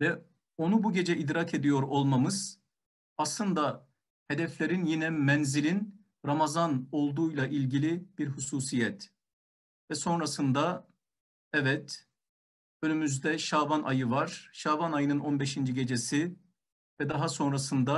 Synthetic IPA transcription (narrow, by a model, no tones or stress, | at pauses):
vɛ | o̞nubuɟe̞d͡ʒɛʔid̪ɾakʰe̞d̪ijo̞ɾo̞lˠmamɯz̥ | aslˠɯnd̪a | hed̪ɛflʲe̞ɾinjinɛmɛnzilʲin | ɾamazano̞lˠd̪uːjlˠaʔilʲɟilʲib̥iɾhusuːsijɛt̪ | vɛso̞nɾasɯnd̪a | ɛvɛt̪ | ø̞nymyzd̪ɛʃavanʔa̰jɯvaɾ̥ʃaːvanajɯnɯno̞nbeʃind͡ʒiɟe̞d͡ʒesi | vɛd̪aɦaso̞nɾasɯnd̪a